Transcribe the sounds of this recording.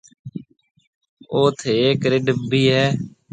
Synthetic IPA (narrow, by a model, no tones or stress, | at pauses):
oːt̪ʰeːeːkɾɪɖbʱiːɦɛː